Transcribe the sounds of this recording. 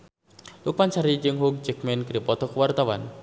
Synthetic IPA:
luk̚pant͡ʃaɾid͡ʒɨŋɦuk̚d͡ʒɛk̚mɛnkɾipɔt̪ɔkəwart̪awa̰n

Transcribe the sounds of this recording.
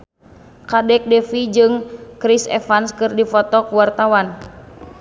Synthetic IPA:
kadɛk̚dɛfid͡ʒɨŋkɾisɛ̰fanskɨrdifɔt̪ɔkuwart̪awan

